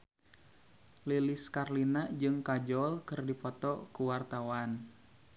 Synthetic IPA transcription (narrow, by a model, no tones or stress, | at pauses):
liliskarlinad͡ʒɨŋkad͡ʒɔlkɨrdipɔt̪ɔkuwart̪awan